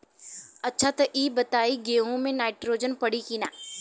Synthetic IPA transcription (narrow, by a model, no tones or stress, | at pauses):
ɐtːʃʰat̪ɐʔiːbɐt̪aːiɡeːõmẽnaːɪʈɾoːd͡ʒənpɐɽikiːnaː